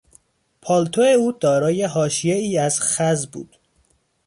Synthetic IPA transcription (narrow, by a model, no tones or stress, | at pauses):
pʰɒːlt̪ʰoeuːd̪ɒːɾɒːje̞ɦɒːʃijeiːæzxæzbṵːd̪̥